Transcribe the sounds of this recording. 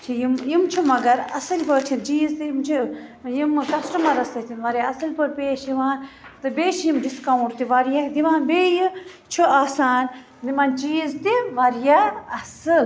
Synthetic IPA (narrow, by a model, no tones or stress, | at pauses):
t͡ʃʰijimjimt͡ʃʰimɐɡɐɾɐ̰sɨlpəɾt͡ʃʰint͡ʃiːzt̪ijimt͡ʃʰijimkɐsʈɐmɐɾɐsɐt̪ʰinʋɐɾjaɐsɨlʲpɐɾpeːʃjiʋaːnt̪ɨbeːʃjimɖiskawɳʈt̪iʋaɾjad̪iʋaːnbeːji | t͡ʃʰuaːsaːn | d̪imaːnt͡ʃiːzt̪iʋɐɾjaɐsɨl